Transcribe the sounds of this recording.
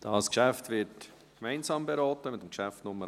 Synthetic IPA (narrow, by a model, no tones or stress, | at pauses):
d̥ɑskʃæftvɪt | kmaɪnzɑːmbeɾɔːtəmɪtːəmkʃæftnʊmːə